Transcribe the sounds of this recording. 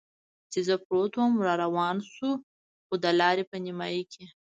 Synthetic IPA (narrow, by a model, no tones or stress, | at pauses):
t͡ʃezəpɾot̪wəmɾɑɾawɑnsu | xod̪əlɑɾepənimɑjikʰe